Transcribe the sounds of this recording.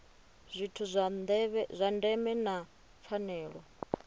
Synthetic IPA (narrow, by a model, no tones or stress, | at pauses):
zʷitʰuβzʷandɛmɛna | p̪fʰanɛːɺɔ